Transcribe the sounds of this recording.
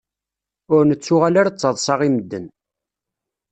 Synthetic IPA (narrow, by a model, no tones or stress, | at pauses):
ʊɾnət͡sːʊʁalaɾat͡sːəðˤsˤɑʁiməd̪ːən